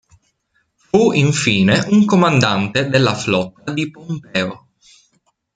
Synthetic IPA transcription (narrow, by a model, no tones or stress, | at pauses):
fuiɱfiːneʔuŋkomand̪ant̪ed̪elːaflɔt̪ːad̪ipompɛːo